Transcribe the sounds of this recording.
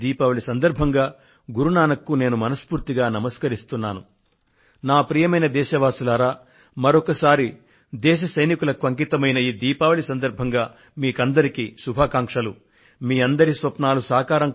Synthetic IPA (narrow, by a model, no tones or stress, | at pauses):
d̪iːpaːʋɐɭisɐnd̪ɐɾbʱɐŋɡaː | ɡuɾunaːnɐkːune̞ːnumɐnɐspuːɾt̪iɡaːnɐmɐskɐɾist̪unːaːnu | naːpɾiːjɐmɐjnɐd̪ɛːʃɐʋaːsulaːɾaː | mɐɾokɐsaːɾi | d̪ɛːʃ̬ɐsɐjnikulɐkuɐŋk̬it̪ɐmɐjnɐiːd̪iːpaːʋɐɭisɐnd̪ɐɾbʱɐŋɡaː | miːkɐnd̪ɐɾikisubʱaːkaːŋkʂɐlu | miːɐnd̪ɐɾisʋɐpnaːlusaːkaːɾɐŋ